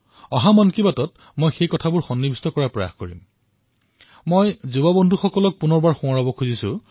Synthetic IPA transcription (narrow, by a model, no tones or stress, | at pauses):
ɔɦamɔnkibatɔt | mojxejkɔtʰabʊɹxɔnːibʱistɔkɔɹapɹɔja̰xkoɹḭm | mojzubabɔndʱuxɔkɔlɔk̚punɔɹbaɹxũaɹɔbɔkʰuzisʊ̰